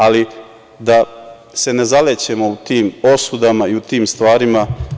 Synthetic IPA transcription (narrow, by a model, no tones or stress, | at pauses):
ali | d̪a | se̞ne̞zalet͡ɕe̞mout̪iːmo̞sud̪amaiut̪iːmst̪ʋaːɾima